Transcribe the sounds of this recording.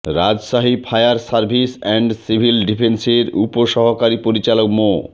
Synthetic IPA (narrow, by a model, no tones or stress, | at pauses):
ɾad͡ʑʃaɦipʰajaɾsaɾbʱisɛɳɖsibʱilɖipʰenseɾupoʃɔɦokaɾipoɾit͡ɕalokmo